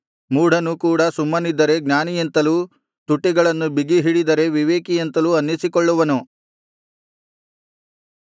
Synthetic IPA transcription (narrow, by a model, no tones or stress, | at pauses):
muːɽ̤ʱɐnukuːɽɐsumːɐnid̪ːɐɾe̞ɡnaːnijɐnt̪ɐluː | t̪uʈːiɡɐɭɐnːubiɡiɦiɽid̪ɐɾe̞ʋiʋeːkijent̪ɐluːɐnːisikɔɭːuʋɐnu